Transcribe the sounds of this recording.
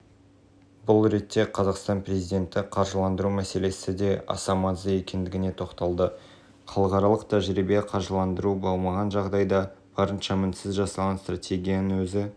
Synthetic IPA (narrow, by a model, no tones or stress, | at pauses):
bʊlˠɾe̞t̪ʰːe̞qʰɑzɑqst̪ɑnprɾe̞zijd̪ʲe̞nt̪ɪqʰɑɾʒəlˠɑnd̪əɾumæse̞le̞sɪd̪e̞ɑ̰sɑmɑnzəje̞kʲe̞nd̪ɪɡʲɪne̞t̪ʰo̞qt̪ɑlˠd̪ə | χʰɑlˠəqɑɾɑlˠəqt̪ʰæʒɾibeqʰɑɾʒəlˠɑnd̪əɾubo̞lˠmɑʁɑnʒɑʁd̪ɑjd̪ɑb̥ɑɾənʃɑmɪnsɪzʒɑsɑlˠʁɑnst̪rat̪ʲʰe̞ɡʲijanəwɵzɪ